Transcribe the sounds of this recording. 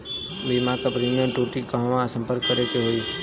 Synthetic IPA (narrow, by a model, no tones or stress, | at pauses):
biːmãːkapɾiːnə̃ʈuːʈikaɦʋãsə̃mpəɾkːəɾeːkeɦoːiː